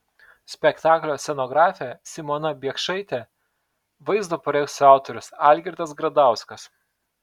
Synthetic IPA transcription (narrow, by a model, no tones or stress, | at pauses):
sʲpʲɛkt̪ɑːklʲoːsʲɛnoːɡɾɑːfʲɛsʲɪmɔnɐbʲiɛkʃɐɪt̪ʲɛ | ʋɐɪzd̪oːpɐɾʲɛɪsʲʊɑˑʊt̪ɔɾʲʊsɑːˑlʲɡʲɪɾʲt̪ɐsɡɾɐd̪ɑˑʊskɐs